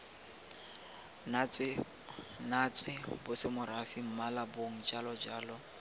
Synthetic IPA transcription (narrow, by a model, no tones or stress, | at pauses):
nat͡sʼwɪbʊsɪmʊɾafim̩malaboŋ̩d͡ʒalɔd͡ʒaːlɔ